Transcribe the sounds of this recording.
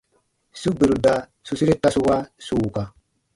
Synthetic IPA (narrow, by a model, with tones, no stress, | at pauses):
su˦be˨ɾu˨da˨ | su˦si˦ɾi˦ta˦˨su˦wa˦su˦˨ka˨